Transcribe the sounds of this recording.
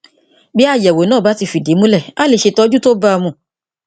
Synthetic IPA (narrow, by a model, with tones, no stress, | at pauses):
bi˦a˦˨jɛ˨wo˨nãː˦˨ba˨˦ti˧fi˨de˨˦mũ˦lɛ˦˨a˦le˧˨ʃe˧tɔ˧˦d͡ʒu˦to˦ba˧mũ˧˨